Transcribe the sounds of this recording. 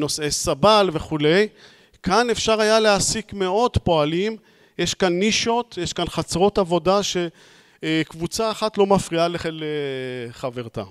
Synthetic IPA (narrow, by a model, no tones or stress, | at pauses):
no̞sesabalve̞χule̞j | kʰane̞fʃaʁajaleasikme̞o̞dpo̞alim | jeʃkanːiʃo̞t̪jeʃkanχat͡sʁo̞tavo̞daʃe̞ | kvut͡saːχat̪lo̞mafʁialeχeleχave̞ʁt̪a̰